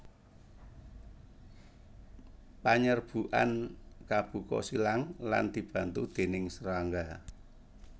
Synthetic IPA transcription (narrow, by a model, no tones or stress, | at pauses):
paɲərb̥uʔa̰nkab̥ṳkɔ̰silaŋla̰nd̪̥i̤b̥a̤nt̪ud̪̥e̤nɪŋsəɾaŋɡa